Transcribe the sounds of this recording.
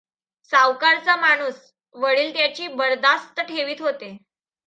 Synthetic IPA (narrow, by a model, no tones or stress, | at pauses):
saʋkaɾt͡samaɽ̃uːs | ʋəɭiːlt̪jat͡ɕiːbəɾd̪ast̪əʈʰeʋiːt̪ɦot̪e